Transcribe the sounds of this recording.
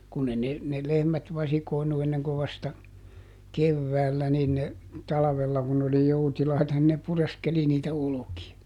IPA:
kunː e ne ne lehmæt ʋɑsikoˑi̯nu enːeŋko ʋɑstɑ keʋːæːlːæ nin ne tɑlɑʋelːɑ kun n oli joutilɑitɑ nin ne pureskeli niːtæ olokiɑ

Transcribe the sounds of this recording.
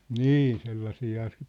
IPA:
niː selːɑsiːhɑ se

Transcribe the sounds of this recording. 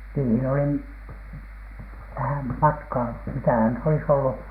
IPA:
niːhin olim ʋæhæm mɑtkɑː mitæhæn nyt olis olːu

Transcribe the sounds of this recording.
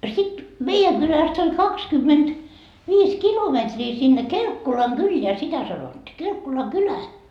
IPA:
sit meijæŋ ɡ̊ylæst olʲ kɑkskymːend̥ ʋiːs kilometriː sinːe kelkːolɑŋɡ̊ylːeæ sitæ sɑnotːi kelkːolɑŋkylæ

